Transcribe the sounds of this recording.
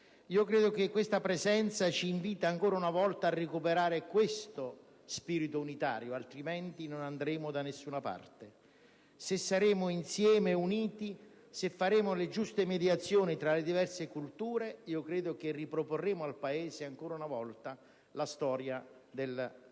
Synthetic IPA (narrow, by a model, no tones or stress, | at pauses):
iːokɾeːd̪ʊk̟ekːwest̪apɾezɛnt̪sat͡ʃiːɱviːt̪aːŋkoːɾaunavɔlt̪aːrːekupeɾaːɾɪkwest̪ʊ | spiːɾit̪ʊunit̪a̰ːɾjʊalt̪ɾimɛnt̪inʊnand̪ɾeːmʊd̪anesːuːnapa̰rt̪e | sesːaɾeːmʊinsjɛːmeuniːt̪i | sefːaɾeːmʊlɪd͡ʒust̪emed̪jat̪sːjoːnit̪ɾaled̪ivɛrsekult̪uːɾeiːokɾeːd̪ʊk̟erːipɾoporːeːmʊalpaeːzeaŋkoːɾaunavɔlt̪a | last̪ɔːɾjad̪el